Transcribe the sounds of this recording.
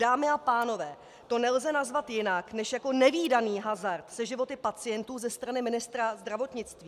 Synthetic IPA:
daːmɪapaːno̞vɛː | t̪o̞nɛlzɛnazvat̪jɪnaknɛʃjako̞nɛviːdaniːɦazaɾt̪sɛʒɪvo̞t̪ɪpat͡sɪjɛnt̪uːzɛst̪ɾanɪmɪnɪst̪ɾazd̪ɾavo̞t̪ɲɪt͡st̪viː

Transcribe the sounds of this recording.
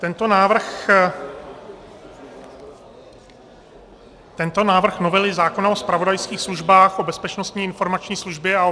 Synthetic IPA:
t̪ɛnt̪onaːvr̩x | t̪ɛnt̪o̞naːvr̩xno̞vɛlɪzaːko̞naospɾavodajskiːxsluʒbaːxʔo̞bɛspɛt͡ʃno̞st̪ɲiːɪnfo̞ɾmat͡ʃɲiːsluʒbjɛao

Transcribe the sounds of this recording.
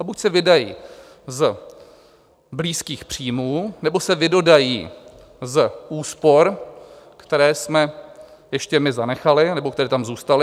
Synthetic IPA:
abucsɛvɪdajḭː | z | bliːskiːxpr̝̥iːmuːnɛbo̞sɛvɪdo̞dajḭː | zʔuːspo̞ɾ | kt̪ɛɾɛːsmɛ | jɛʃcɛmɪzanɛxalɪnɛbokt̪ɛɾɛːt̪amzuːst̪alɪ

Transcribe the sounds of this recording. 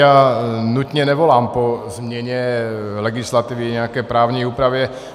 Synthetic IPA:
anut̪ɲɛnɛʋɔlaːmpɔzmɲɛɲɛlɛɡislat̪iːʋiɲɛakɛjpɾaːʊɲɛjuːpɾaʋjɛ

